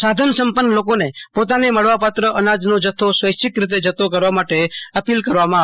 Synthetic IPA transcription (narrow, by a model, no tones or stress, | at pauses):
sad̪ʱənsəmpənːəlokonepot̪aneməɭʋapat̪ɾəʔənad͡ʒnod͡ʒət̪ʰːosʋəjt͡ʃɪkɾɪt̪̬ed͡ʒət̪ʰok̬əɾʋamaʈeəpilkəɾʋamã